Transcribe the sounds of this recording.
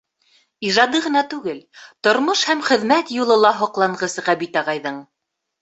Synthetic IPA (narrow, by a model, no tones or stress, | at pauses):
iʒɑd̪ɤʁɤ̆nɑt̪ʉɡɘlt̪ŏɾmoʃhæmχɘ̆ðmæt̪julˠɤ̆lˠɑɦŏqlˠɑɴʁɤsɤʁæbit̪ɑʁɑjðɤɴ